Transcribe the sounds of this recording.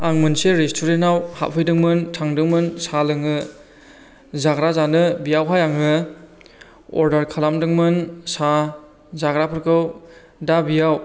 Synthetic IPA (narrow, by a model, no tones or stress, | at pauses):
aŋmɯnseɾestʰuɾentawha̰ʔ̚pʰɯjdɯŋmɯntʰaŋdɯŋmɯnsalɯŋɯ | zaɡɾazanɯbijawɦajaŋɯ | ɔ̰ɾdaɾkʰalamdɯŋmɯnsa | zaɡɾapʰɯɾkʰɯw | dabijaw